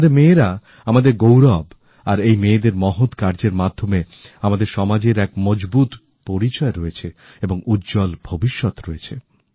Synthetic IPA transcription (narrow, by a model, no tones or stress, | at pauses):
d̪eɾmeːɾa | amad̪eɾɡowɾab | aɾejmeːd̪eɾmɔɦot̪kaɾd͡ʑeɾmad̪ʱːome | amad̪eɾʃɔmad͡ʑeɾɛk̚mɔd͡ʑbut̪ | poɾit͡ɕɔeɾɔet͡ɕʰe | eboŋutːd͡ʑɔlbʱobiʃːɔt̪ɾɔet͡ɕʰe